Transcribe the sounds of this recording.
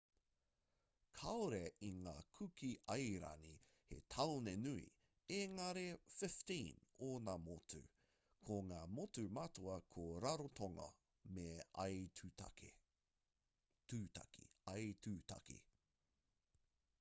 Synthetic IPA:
kʰɐoɾeʔiŋaːkʰʉkiʔɐjɾa̰ni | hḛtʰɐlonenuḭ | eŋɐɾefɪftĩːnoːnamotʉ̰ | kʰoŋaːmotumɐtoɐkʰoɾaɾotʰoŋɐ̰ | meɐ̰jʰa̰kʰḛ | tʉːta̰ki̥̰ɐjtʉta̰kḭ

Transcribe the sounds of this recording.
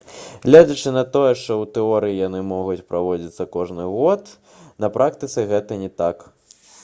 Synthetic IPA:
ɣlʲɛd͡zɐt͡ʂɨnɐt̪ɔjɛʂt̪ɔwt̪ɛɔɾɨjijanɨmɔɣut͡sʲpɾavɔd͡zʲit̪sːɐkɔʐnɨɣɔt̪ | nɐpɾʔakt̪ɨt̪sɨɣɛt̪ɐnʲɛt̪ak

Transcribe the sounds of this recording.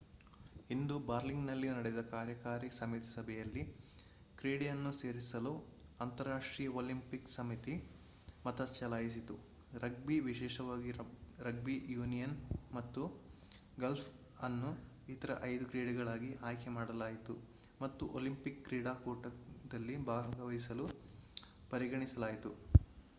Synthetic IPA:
ind̪ubaːɾliŋɡnɐlːinɐɽɛd̪ɐkaːɾjɐkaːɾisɐmit̪isɐbʱɛjɐlːi | kɾiːɽijɐnːuse̞ːɾisɐluɐnt̪ɐɾːaːʂʈɾiːjɐoːlimpiksɐmit̪i | mɐt̪ɐst͡ʃɐlaːjis̬it̪u | ɾɐɡ̚biʋiʃɛːʃɐʋaːɡiɾɐɡ̚bijuːnijɐnmɐt̪ːu | ɡɐlpʰ | ɐnːu | it̪ɐɾɐ̰ʔɐjd̪ukɾeːɽiɡɐɭaːɡiʔaːjkɛmaːɽɐlaːjit̪u | mɐt̪ːuʔolimpikːɾiːɽaːkoːʈɐd̪ɐlːibʱaːɡɐʋɐjsɐlu | pɐɾiɡɐɳisɐlaːjit̪u

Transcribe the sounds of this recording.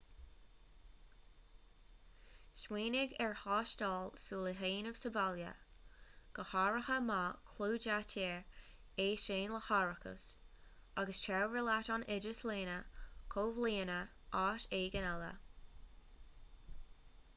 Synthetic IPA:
stweːnɪɡɛɹhɑːʃtɑːlsuːləɦeːnəv̥səbaljə̰ | ɡ̥əhaːɹəhəmakʰluːd͡ʒatʰeːɹ | eːʃeːnləhaːɹəkʰə̰s | aɡəst͡ʃʰɛwɹəlatɑnʔɪd͡ʒəsleːnəkʰoːvliːnə | ʔaːʃeːɡənɛlə̰

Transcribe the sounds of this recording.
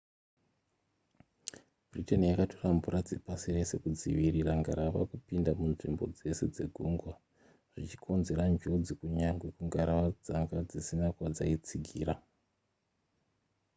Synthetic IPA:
b̥ʱritanjakato̞rambuɾad͡zepasire̞se̞kud͡zḭʋiɾiɾaŋɡaɾaʋa̰kupindamunʐimbo̞̰d͡ze̞se̞d͡ze̞ɡʱuːŋɡwa | ʐ̥it͡ʃi̥kʰo̞nze̞ɾand͡ʒo̞d͡zikuɲaŋɡwekuŋɡaɾawad͡zaŋɡad͡zisinakwad͡zait͡siɡʱiːɾa

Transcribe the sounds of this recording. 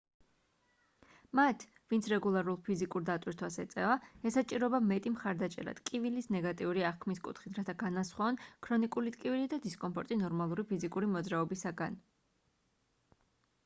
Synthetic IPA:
mat̪ʰ | vint̪sʰɾɛɡulˠaɾulˠpʰizikʼuɾd̪at̪ʼwiɾt̪ʰwasɛt̪sʼɛvaɛsat͡ʃʼiɾɔbamɛt̪ʼimχaɾd̪at͡ʃʼɛ̰ɾa̰d̪̥kʼivilisnɛɡat̪ʼiuɾiaχkʰmiskʼṵt̪ʰχit̪ʰɾat̪ʰaɡanasχwaɔnkʰɾɔnikʼulit̪ʼkʼivilid̪ad̪iskʼɔmpʰɔɾt̪ʼinɔɾmalˠuɾipʰizikʼuɾimɔd̪zɾaɔbisaɡan

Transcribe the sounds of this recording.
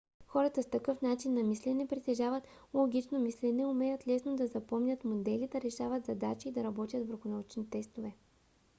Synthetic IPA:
xɔɾɐt̪ɐst̪ɐkɤfnat͡ʃinːɐmislɛnɛpɾit̪ɛʒavət̪ | lˠoɡʲit͡ʃnomislɛnɛʊmɛjət̪lɛsnod̪ɐzɐpɔmnʲət̪mod̪ɛlid̪ɐɾɛʃavət̪zɐd̪at͡ʃiːd̪ɐɾɐbɔt̪ʲjət̪vəɾxʊnɐut͡ʃnit̪ɛst̪ovɛ

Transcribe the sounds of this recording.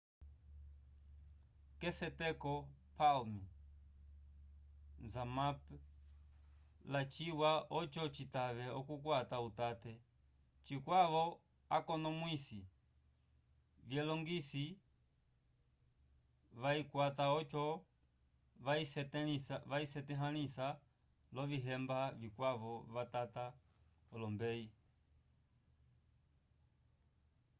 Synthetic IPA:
kɛsɛtɛkɔpalmi | nzamap | lat͡ʃiwaɔt͡ʃɔt͡ʃitaʋɛɔkukwatautatɛ | t͡ʃikwaʋɔ | akɔnɔmwisi | vjɛlɔŋɡisi | ʋaikwataɔt͡ʃɔ | issʋaisɛtɛɦanisa | lɔviɦɛmbavikwavɔʋatata | ɔlɔmbɛi

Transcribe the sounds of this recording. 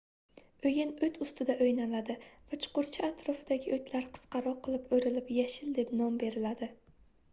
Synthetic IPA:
ɵjanɵjt̪ʰʊst̪ɪd̪aʔojnalad̪ɪvat͡ʃʰʊ̥qʊɾt͡ʃʰɪat̪ʰɾɒfɪd̪aɡʲɪʔojt̪ʰlaɾqʰɨ̥sqɑɾɒqʰɨlˠɪpɵjɾɪlɪpjaʃɪld̪e̞pnɒmbe̞ɾɪlad̪ɪ

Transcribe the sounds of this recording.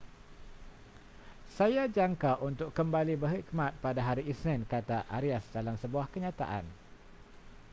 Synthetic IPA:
sajad͡ʒaŋkaʔunt̪ʊkːəmbalibəɦik̚mãt̪̚padaɦaɾiʔisnɛ̃nkat̪aʔaɾiasdalamsəbuahkəɲãt̪a̰ʔa̰n

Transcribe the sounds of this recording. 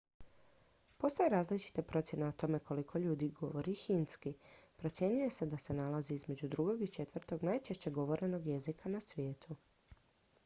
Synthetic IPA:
po̞st̪o̞jeɾaːzlit͡ʃi̥t̪apɾo̞t̪sje̞neot̪o̞me̞ko̞likʰo̞ʎuːd̪iɡo̞ʋo̞ɾixinskipɾo̞t̪sje̞ɲuje̞sed̪ase̞nalaziizme̞d͡ʑud̪ɾuɡo̞ɡit͡ʃe̞t̪ʋr̩t̪o̞ɡnajt͡ʃe̞ʃt͡ɕe̞ɡo̞ʋo̞ɾʔe̞no̞ɡje̞zikʰanasʋje̞ːt̪ʰu

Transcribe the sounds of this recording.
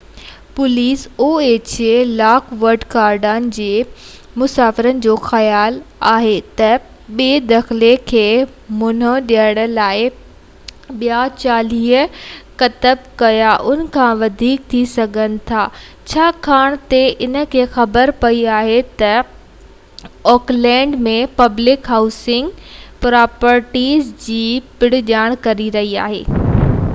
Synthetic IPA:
pʊliːsoːeːt͡ɕelaːkʋəɾɖkaːɾɖaːnɪ̆d͡ʑeː | mʊsaːfɪɾənɪ̆d͡ʑoːxɐjaːlaːɦet̪ɐ | ɓeːd̪ɐxlekʰeː | mʊn̤əɗiəɽ̃̆laːɪ | ɓijat͡ɕaːliːɦəkɐt̪əb̚kɐjaʔʊnə̆kʰãʋɐd̪ʱiːk̚t̪ʰisɐɡʱənɪ̆t̪ʰaː | t͡ɕʰaːkʰaːɽ̃t̪eʔɪnə̆kʰeːxɐbəɾpɐiaːɦet̪ɐ | ɔːklɛ̃ːɳɖmẽpɐblɪkɦaːʊsɪ̃ŋɡpɾaːpəɾʈiːzd͡ʑiːpɪɽɪ̆ʄaːɽ̃kɐɾiɾɐɦia̰ːɦḛː

